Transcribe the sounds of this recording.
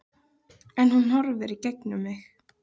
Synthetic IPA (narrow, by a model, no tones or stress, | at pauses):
ɛnhunhɔɾvɪɾicɛknʏmːɪx